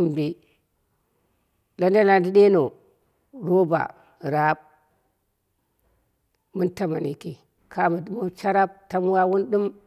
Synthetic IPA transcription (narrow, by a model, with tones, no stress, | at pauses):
m˨bi˦ | la˦nda˦la˦ndi˦ɗe˦no˨ | ɾo˦ba̰˨ | ɾa˨˦b̚ | mu˦nta˨ma˨ni˨ki˨ | kʰa˦mu˨˦mu˦t͡ʃa˦ɾa˦b̚ta˦m˦wa˦wu˦nɗu˦m